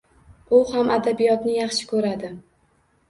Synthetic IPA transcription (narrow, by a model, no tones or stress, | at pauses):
ʊhamad̪abijɒt̪nɪjɑχʃɪ̥kʰɵɾad̪ɪ